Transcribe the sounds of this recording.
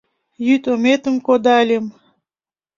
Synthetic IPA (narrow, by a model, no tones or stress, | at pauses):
jyt̪omet̪ə̆mkod̪ɑlʲem